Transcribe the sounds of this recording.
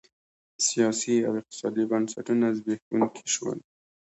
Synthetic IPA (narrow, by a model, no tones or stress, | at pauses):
sijɑsiawɪq̚t̪ɪ̥sɑd̪ibansaʈunazbehɡunkʰe̥ʃwa̰l